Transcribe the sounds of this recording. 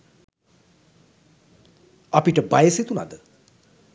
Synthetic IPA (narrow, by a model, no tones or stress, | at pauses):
apiʈəbajəset̪una̰d̪ə